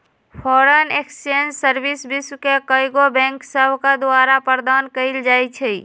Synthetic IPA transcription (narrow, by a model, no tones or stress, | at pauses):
pʰɔɾəneksend͡ʒsəɾbisbiswkekəjɡobɛ̃ŋksəbʱkad̪oaɾapəɾd̪ankəɪld͡ʒajt͡ʃʰɛ